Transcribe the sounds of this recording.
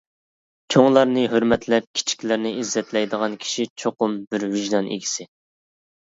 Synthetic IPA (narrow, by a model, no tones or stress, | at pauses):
t͡ʃʰoŋlˠɑɾnɨɦøɾmɛt̪lɛp̚kʲʰi̥t͡ʃʰi̥kʲlɪɾnɪizːɛt̪lɛjd̪əʁɑnkʲʰi̥ʃit͡ʃʰoqʊmbɪɾvɪʒnɑnʔḭɡʲi̥sɪ